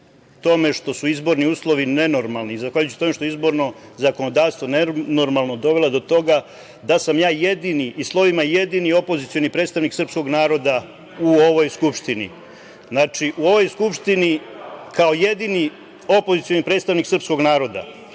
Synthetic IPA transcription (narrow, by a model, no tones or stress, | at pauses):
t̪o̞me̞ʂt̪o̞suizbo̞ɾniuːslˠo̞ʋine̞no̞ɾmalˠnizaxʋaːʎut͡ɕu̥t̪o̞meʃt̪oizbo̞ɾno̞zako̞no̞d̪aːʋst̪ʋo̞nenoɾmalˠno̞d̪o̞ʋelad̪o̞t̪o̞ɡa | d̪asamjaːjed̪iniʔːslˠo̞ʋimajed̪inio̞po̞zit̪sio̞nipɾet̪st̪aʋniksrpsko̞ɡnaːɾo̞d̪a | uo̞ʋo̞jskupʂt̪inḭ | znat͡ʂiʔuo̞ʋo̞jskupʂt̪ini | kao̞jed̪ini | opo̞zit̪sijo̞nipɾet̪st̪aʋniksɨr̩psko̞ɡnaːɾo̞d̪a̰